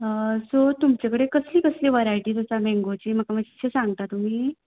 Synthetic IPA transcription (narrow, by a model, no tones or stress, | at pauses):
əsot̪umt͡ɕakəɽekəsliːkəsliːʋəɾajʈiːt̪ot͡samẽŋɡot͡ɕiːm̤əkaməd͡ʑiɕʰesãŋɡ̚t̪at̪um̤iː